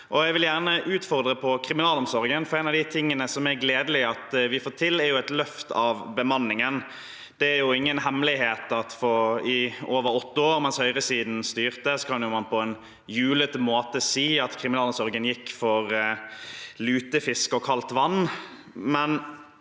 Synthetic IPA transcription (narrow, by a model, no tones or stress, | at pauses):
ʔɔɛɡʋɪljæʁnəʔʉːt̪fɔɾd̪ɾəpʰɔkʰɾɪmɪnɑːlɔmsɔɾɡənfɔɾɛːnɑʋd̪ɪt̪ʰɪŋːənəsɔmæɾɡleːd̪əlɪɑt̪ʋɪfoːt̪ʰɪlːæɾjʊɛt̪lœft̪ɑʋbəmɑnːɪŋən | d̪̥ɛæɾjʊɪŋːənɦɛmlɪheːt̪ɑt̪fɔɪoːʋəɾɔt̪ːəoːɾmɛnshœʏʁəsiːd̪n̩st̪yːʁt̪əskʰɑnjʊmɑnpʰɔɛn | jʉːlət̪moːt̪əsiːɑt̪kʰɾɪmɪnɑlɔmsɔɾɡənjɪkːfɔɾ | lʉːt̪əfɪskɔkʰɑlt̪ʋɑnː | mɛn